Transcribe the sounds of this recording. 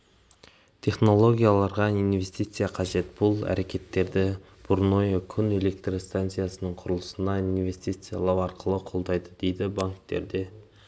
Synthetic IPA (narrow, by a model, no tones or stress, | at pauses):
t̪ʲʰe̞χno̞lˠo̞ɡʲijalˠɑɾʁɑinve̞st̪ijt̪sɨjaqʰɑʒe̞t̪b̥ʊlˠæ̰ɾʔe̞kʲe̞t̪ːe̞ɾd̪ɪ | b̥ʊɾno̞jokʲʰʏne̞le̞k̚t̪rost̪ant̪sɨjasənəɴqʰʊɾəlˠəsənɑinve̞st̪ijt̪sɨja̰lˠɑwɑɾqəlˠəqʰo̞lˠd̪ɑjd̪əd̪e̞jd̪ɪbaŋkt̪e̞̰ɾd̪e̞